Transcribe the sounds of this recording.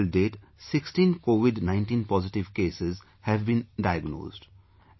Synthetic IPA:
lɖeːʈ | sɪksʈĩːnkoːʋɪɖnãɪ̃ɳʈĩːnpɔːzɪʈɪʋkeːsez | hɛʋbĩnɖaɪəɡno̰ːzɖ

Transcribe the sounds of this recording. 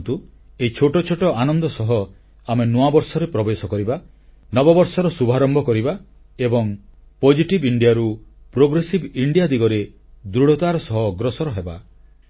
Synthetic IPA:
t̪u | eit͡ʃʰoʈɔt͡ʃʰoʈɔanɔnd̪ɔsɔɦɔ | amenuabɔɾsɔɾepɾɔbesɔkɔɾiba | nɔbɔbɔɾsɔɾɔsubʱaɾɔmbɔkɔɾiba | ebɔŋ | pod͡ʒiʈibiɳɖijaɾupɾoɡɾesibiɳɖijad̪iɡɔɾe | d̪ɾuɽɔt̪aɾɔsɔɦɔɡɾɔsɔɾɔɦeba

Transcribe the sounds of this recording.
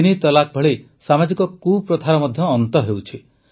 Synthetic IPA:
nit̪ɔlak̚bʱɔɭe | samad͡ʒikɔkupɾɔt̪ʰaɾɔmɔd̪ʱjɔːnt̪ɔɦewt͡ʃʰi

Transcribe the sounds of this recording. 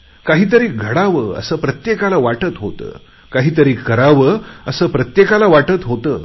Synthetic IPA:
kaɦiːt̪̬əɾiːɡʱəɽaʋəːə̰səːpɾət̪jekalaʋaʈət̪ɦot̪ə̰ː | kaɦiːt̪əɾiːkːəɾaʋəːəsəːpɾət̪jekalaʋaʈət̪ɦot̪əː

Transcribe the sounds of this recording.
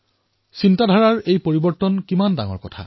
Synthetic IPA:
sintadʱaɹaɹejpoɹibɔɹtɔnkimanda̰ŋɔ̰ɹkɔtʰa̰

